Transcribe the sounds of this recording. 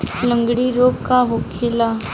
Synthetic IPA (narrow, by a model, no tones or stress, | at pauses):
ləŋɡɽiːɾoɡkaɦokʰela